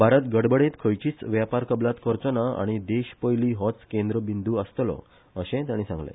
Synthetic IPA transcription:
bʱaɾət̪ɡəɽbəɽẽt̪kʰəjt͡ɕiːt͡sʋjapaɾkəblat̪kəɾt͡sonaa̰ɽ̃id̪eɕpəjliːɦɔt͡skend̪ɾəbind̪uəst̪lɔ̰ | əɕẽt̪jãɽ̃isã̰ŋɡlḛ̃

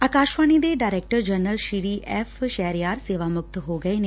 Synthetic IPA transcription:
aːkaːʃʋaːnid̪eːɖaːɾeːk̚ʈəɾd͡ʒənəlʃiɾiːʔɛːfʰʃɛːɾjaːɾseːʋaːmʊk̚t̪ɦoːɡəeːne

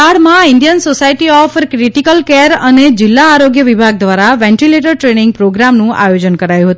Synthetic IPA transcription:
aɽmãiɳɖijənsosaiʈiɔfkɾiʈikəlkeɾəned͡ʒɪlːaːɾoɡjəʋibʱaɡ̚d̪ʋaɾaʋɛ̃ɳʈileʈəɾʈɾenĩŋɡ̚pɾoɡɾamnũʔa̰jod͡ʒənkəɾajũɦət̪u

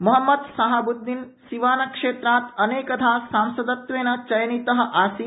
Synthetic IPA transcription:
mɐɦɐmːɐd̪sɐɦɐbud̪ʱːin | siʋaːnɐkʂeːt̪ɾaːt̪ɐneːkɐt̪ʰaːsaːmsɐd̪ɐt̪ʋeːnɐt͡ʃɐjnit̪ɐɦɐ̆ʔaːsi

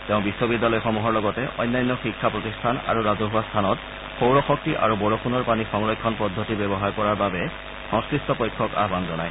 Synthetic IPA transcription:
teʊ̃biswobidːalɔjxɔmuɦɔɹlɔɡɔtɛʔɔ̰jnːajnːɔxikʰːapɹotistʰana̰ɹuɹazoɦʊwastʰanɔt | xowɹɔxɔk̚tiʔa̰ɹubɔɹopʰunɔɹpanixɔmɹɔjkʰːɔnpɔdʱːotibɛbɔɦaɹkɔɹaɹbabɛ | xɔŋskɹistɔpojkʰːɔka̰ɦbanzɔnaj

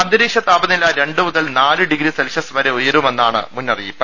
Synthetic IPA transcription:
ɐnd̪ɐɾiːkʂɐt̪ːaːbɐnilaːɾe̞ɳɖɨmuðɐlnaːlɨɖiɡɾiselʂɐsʋɐɾeujɐɾumenːaːɳɨ̰munːɐrḭjːipːɐ

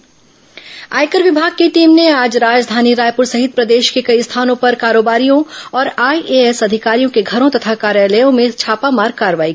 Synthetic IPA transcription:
aːjkəɾʋɪbʱaːɡ̚keʈiːmneaːd͡ʒɾaːd͡ʒd̪ʱaːniɾaːjpʊɾsɐɦɪt̪̚pɾɐd̪eːʃkekɐist̪ʰaːnõpɐɾkaːɾoːbaːɾijõɔːɾaːiʔeɛsɐd̪ʱɪkaːɾijõkeɡʱɐɾõt̪ɐt̪ʰakaːɾjaːləjõmẽt͡ʃʰaːpamaːɾɡ̚kaːɾʋaːi

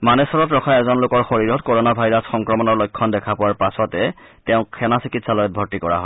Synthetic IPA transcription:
manɛsɔɹɔtɹɔxʰajɛzɔnlokɔɹxoɹiɹɔtkoɹɔnabʱajɹasxɔŋkɹɔmɔnɔɹlojkʰːɔndɛkʰapʊwaɹpasɔtɛ | tɛʊ̃kʰɛnasikitsalɔjɔt̚bʱɔɹtikɔɹa̰ɦɔ

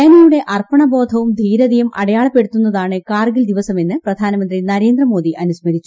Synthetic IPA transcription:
ɐnɐjuɽe̞ʔɐrpɐɳɐbo̞ːd̪ʱɐʋumd̪ʱiːɾɐd̪ijɐmʔɐ̰ɽɐjaːɭɐpːe̞ɽut̪ːunːɐðaːɳɨkaːrɡild̪iʋɐsɐme̞nːɨprɐd̪ʱaːnɐmɐnd̪rinɐɾe̞ːnd̪rɐmo̞ːd̪iʔɐnusmɐɾit͡ɕːu

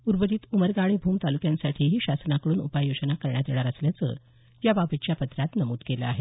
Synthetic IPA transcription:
uɾbəd̪iːt̪uməɾɡaɭ̃ibʱuːmt̪alukjãnsaʈʰiːɦiːɕasnakəɽuːnupajod͡ʑənakəɾɳjad̪eɭaɾəsljat͡sə̰ | jababət͡ɕjapət̪ɾat̪nəmuːʈkeləaɦe

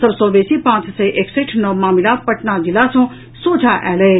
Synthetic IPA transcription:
sɐbsɔ̃ːʋeːsipãːt͡ʃsɛʔekseʈʰnɔːmaːmilapɐʈnad͡ʒilasõː | soːt͡ʃʰaʔɛːle

